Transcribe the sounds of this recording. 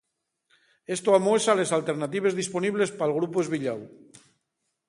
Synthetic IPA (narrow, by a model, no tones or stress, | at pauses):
est̪oamosalezalˠt̪eɾnat̪iβ̞ezðisponiβ̞lespalˠɣ̞ɾupuezβiʎaw